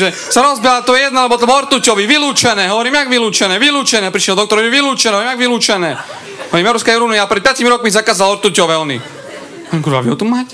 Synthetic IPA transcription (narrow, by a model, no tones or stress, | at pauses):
ʒɛ | saɾɔzbilat̪ɔjɛjɛd̪nalɛbɔlt̪ɔbɔlɔɾt̪ucɔʋiʋiluːt͡ʃɛnɛːɦɔʋɔɾiːmaɡʋiluːt͡ʃɛnɛːʋiluːt͡ʃɛnɛːpɾiʃɛld̪ɔkt̪ɔɾiʋiluːt͡ʃɛnɛːɔʋɾimjaɡʋiluːt͡ʃɛnɛː | ɔʋɔɾiːmjɛaɾuskajuɾuniapɾɛt̪̚pɪaciːmɾɔkmizakaːzalɔɾt̪ucɔʋɛːɔnḭ | ɔɲikuɾa̰ʋḭɦɔt̪umaːcɛ